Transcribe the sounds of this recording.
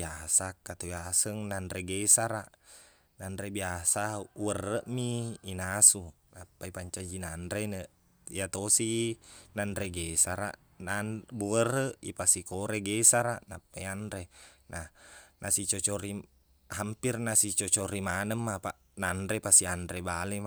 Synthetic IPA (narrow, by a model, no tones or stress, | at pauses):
iasakat̪ujasəŋnandɾɛɡɛsaɾaʔ | nandɾɛbiasauərːəʔmiːnasu | napːaipaɲt͡ʃad͡ʒinandɾenəʔ | ijat̪osinandɾɛɡesaɾa̰ʔ | nanbuərəʔipasikoɾɛɡɛsaɾaʔnapːaiandɾenahnʔasit͡ʃɔt͡ʃɔɾi | ɦampirnasit͡ʃɔt͡ʃoɾimanəmːapaʔ | nandɾɛpasiandɾɛbalɛma